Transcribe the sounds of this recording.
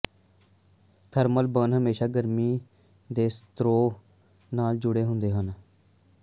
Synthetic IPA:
t̪ʰəɾməlbənɦəmeːʃaːɡəɾmiː | d̪eːst̪ɾoː | naːld͡ʒʊɽeːɦʊnd̪eːɦən

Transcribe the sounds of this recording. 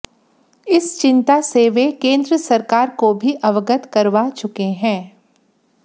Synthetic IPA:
ɪst͡ʃɪ̃nt̪aseʋekẽːnd̪ɾəsɐɾkaːɾkobʱiʔɐʋəɡət̪kɐɾʋat͡ʃʊkeɦɛ̃ː

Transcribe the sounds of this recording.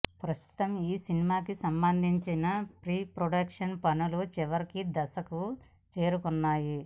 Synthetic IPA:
pɾɐst̪u̥t̪ɐmiːsinimaːkisɐmbɐnd̪ʱiɲt͡ʃinɐpɾiːpɾoɖɐkʂɐnpɐnulot͡ʃiʋɐɾikid̪ɐsɐku | t͡ʃe̞ːɾukunːaːji

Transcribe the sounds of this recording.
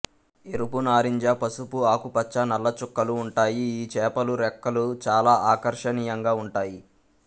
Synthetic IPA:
eɾupunaːɾiɲd͡ʒapɐsupuaːkupɐt͡ʃːanɐlːɐt͡ʃukːɐluːɳʈaːjiːt͡ʃɛːpɐluɾɛkːɐlut͡ʃaːlaːʔaːkɐɾʂɐnijɐŋɡaːuɳʈaːji

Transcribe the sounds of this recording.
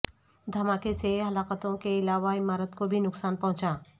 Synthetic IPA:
d̪ʱɐmaːkeseɦɐlaːkət̪õkeɪlaːʋaɪmaːɾət̪kobʱinʊksaːnpɐɦʊ̃t͡ʃaː

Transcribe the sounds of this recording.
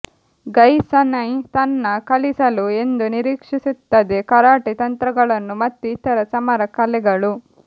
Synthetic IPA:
ɡɐjsɐnɐjt̪ɐnːɐkɐlisɐlue̞nd̪uniɾiːkʂisut̪ːɐd̪ekɐɾaːʈit̪ɐnt̪ɾɐɡɐɭɐnːumɐt̪ːuit̪ɐɾɐsɐmɐɾɐkɐlɛɡɐɭu

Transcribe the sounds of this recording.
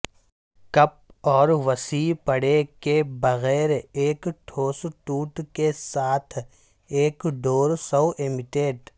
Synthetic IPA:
kɐp̚ɔːɾʋɐsiːpɐɽekebɐɣɛːɾeːkʈʰoːsʈuːʈkesaːt̪ʰ | eːkɖoːɾsɔʊʔɪmɪʈeːɖ

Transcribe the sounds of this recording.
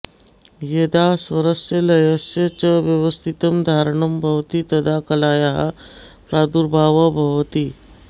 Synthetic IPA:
jed̪asʋɐɾəsjəlɐjɐsjət͡ʃɐʋjɐʋəst̪ʰit̪ɐmd̪ʱaːɾɳɐmbʱɐʋt̪it̪ɐd̪akɐlaːjaɦa | pɾaːd̪uɾbʱaːʋɐbʱɐʋt̪i

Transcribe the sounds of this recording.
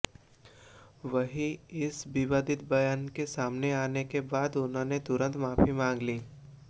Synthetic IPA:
ʋɐɦiɪsbɪʋaːd̪ɪt̪̚bɐjaːnkesaːmneaːnekebaːd̪ʊnɦõnet̪ʊɾə̃nt̪maːfimãːŋɡliː

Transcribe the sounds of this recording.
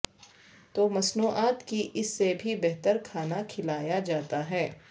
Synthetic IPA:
t̪oːmɐsnuːʔaːt̪kiʔɪsːebʱibɛɦt̪əɾkʰaːnakʰɪlaːjad͡ʒaːt̪aɦɛː

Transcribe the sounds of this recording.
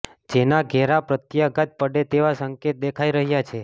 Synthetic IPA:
d͡ʒenaɡʱɛɾapɾət̪jaɡət̪̚pəɽet̪eʋasəŋket̪̚d̪ekʰaiɾəɦjat͡ʃʰe

